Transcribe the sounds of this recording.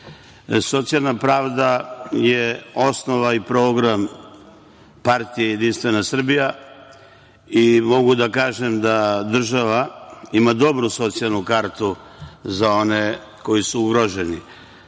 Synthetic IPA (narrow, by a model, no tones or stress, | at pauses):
so̞t̪sialˠnapɾaːʋd̪ajeo̞sno̞ʋaipɾo̞ːɡɾam | paɾt̪ijejed̪inst̪ʋe̞nasr̩bija | imo̞ɡud̪akaːʒemd̪ad̪r̩ʒaʋaimad̪o̞bɾuso̞t̪sialnukaɾt̪u | zao̞ne | ko̞jisuuɡɾoʒeni